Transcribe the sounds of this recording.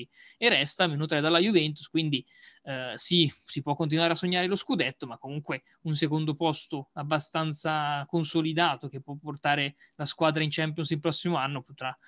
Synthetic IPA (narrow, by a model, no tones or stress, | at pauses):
i | erɛst̪amenut̪ɾɛd̪alːajuvɛnt̪uskwind̪i | sisipwɔkːont̪̬inwaːɾeasːoɲːaːɾeloskud̪ɛt̪ːomakːomuŋkwe | unsekond̪opɔst̪oabːast̪ant̪sakonsolid̪aːt̪ok̟epːwɔpːort̪aːɾe | laskwaːd̪ɾaint͡ʃɛmpjonsilpɾɔsːimoanːopot̪ɾa